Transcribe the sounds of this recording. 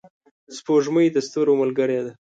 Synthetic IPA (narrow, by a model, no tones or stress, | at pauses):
spoʒməjd̪əst̪uɾoməlɡəɾed̪a